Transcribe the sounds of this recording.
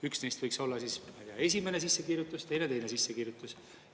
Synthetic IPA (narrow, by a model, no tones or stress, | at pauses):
yksne̞jst̪v̥ɤjkso̞lːɑsismɑjd̪eɑe̞s̬ʲime̞ne̞s̬isːe̞kiːrjut̪ˑːust̪e̞jne̞t̪e̞jne̞sisːe̞kiːrjut̪ːˑus